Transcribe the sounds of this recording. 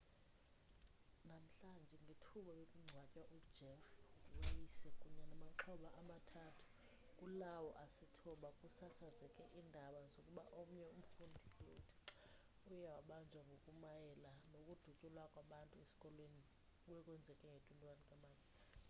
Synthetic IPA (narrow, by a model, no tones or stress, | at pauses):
nam̩ɬand͡ʒʱɛŋɡʱetʰuɓajekʼuŋ͡ǀʱwacʼwaʔu̥d͡ʒʱɛfɓujisɛkʼuɲanamaǁʰɔɓaʔamatʰatʰu̥ | kʼulawɔʔasitʰɔɓakʼusasazɛkʼɛʔindʱaɓazokʼuɓaʔom̩ɲjɛum̩fundʱioktʰi̥ | ujɛwaɓand͡ʒʱwaŋɡʱokʼumajɛlanokʼud̥ʱucʼulwakʼwaɓantʼuesi̥kʼɔlweni | uwɛkʼwɛnd͡zʱɛkʼɛŋɡʱetʼwuntʼwanikʼamaːnd͡zʱi